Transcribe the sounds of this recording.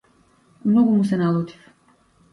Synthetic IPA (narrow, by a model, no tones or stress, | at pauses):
mnoɡumusenalˠuːt̪i̥f